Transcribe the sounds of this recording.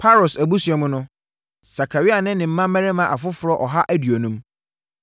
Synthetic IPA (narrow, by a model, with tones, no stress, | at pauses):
pʰa˦ɾo˨sæ˨bu˦sɛ˨˦mʊ̃˦nʊ̃˦ | sa˨kʰa˨ɾi˦a˨nɪ̃˦nɪ̃˨m̩˦mã˦mɛ̃˦ɾɛ˦mã˨ʔa˨fʊ˦fʊ˨ɾɔ˦ʔɔ˨ɦa˦ʔæ˦dɥo˨nũ˦m